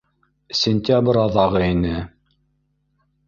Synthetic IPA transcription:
sʲɪnʲt̪ʲabɾɑðɑʁɤinɘ

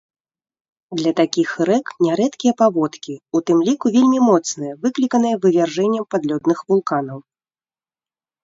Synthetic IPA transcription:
d̪lʲɐt̪akʲixɾɛknʲɛɾɛt̪kʲijɐpavɔt̪kʲiut̪ɨmlʲikuvʲelʲmʲimɔt̪snɨjɐvɨklʲikɐnɨjɐvɨvʲarʐɛnʲːɐmpad̪lʲɔd̪nɨxvulˠkanɐw

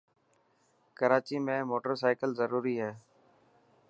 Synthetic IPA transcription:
kəɾaːt͡ʃiːmẽːmoːʈəɾsaːɪkəlzəɾuːɾiːɦɛː

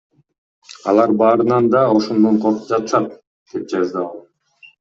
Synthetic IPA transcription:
ɑlˠɑɾbɑːɾɯnɑnd̪ɑo̞ʃond̪oɴqʰo̞ɾqu̥p̚d͡ʒɑt̪ɯ̥ʃɑt̪̚ | d̪̥e̞p̚d͡ʒɑzd̪ɑɑlˠ

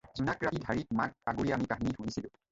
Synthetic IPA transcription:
zunakɹatidʱaɹit̚mak̚aɡuɹiamipaɦinixujisilʊ̃

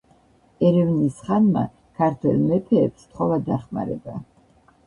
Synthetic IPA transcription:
ɛɾɛvnisχanma̰ | kʰaɾt̪ʰwɛ̰lˠmɛpʰɛːpst̪ʰχɔvad̪aχma̰ɾɛ̰ba

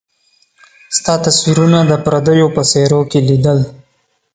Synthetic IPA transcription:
st̪ɑt̪aswiɾunad̪əpɾad̪əjopəseɾokelid̪əl

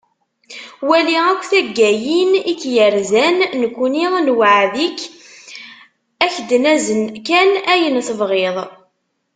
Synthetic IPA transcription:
wæliækʷːθæɡːæjinit͡sːjəɾzænːəkʷːniðnwaʕðikː | æçd̪næzənkænæjənθəvʁeðˤ

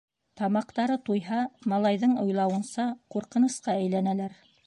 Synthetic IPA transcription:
t̪ɑmɑqt̪ɑɾɤt̪ujɦɑmɑlˠɑjðɤɴŏjlˠɑwɤ̆nsɑquɾqɤ̆nɤ̆sqɑæjlænælæɾ

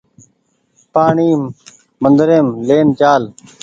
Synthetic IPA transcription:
paːɳiːmː | ənd̪ɾeːmleːnt͡ʃaːl

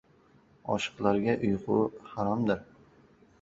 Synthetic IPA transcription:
ɒ̰ʃɨ̥qlˠaɾɡʲaʔʊjqʊ̰haɾamd̪ɪɾ

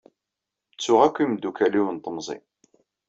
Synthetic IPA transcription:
t͡sːʊʁækʷːimd̪ukæliwənt̪ˤəmzˤḭ

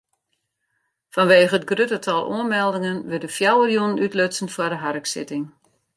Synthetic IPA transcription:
fɔnʋeːχəət̚ɡrøtətʰɔlˠʔṵənmɛlˠdɪŋənʋɪdəfjawərjunənytløtsənfwədəɦarəksɪ̰tɪŋ

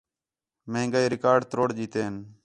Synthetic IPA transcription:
mẽːŋɡaeːɾɪkaːɾɖt̪ɾoːɽd͡ʒiːt̪eːən

